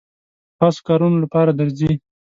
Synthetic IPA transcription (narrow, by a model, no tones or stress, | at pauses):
tɑso̥kɑɾunolapɑɾad̪aɾzi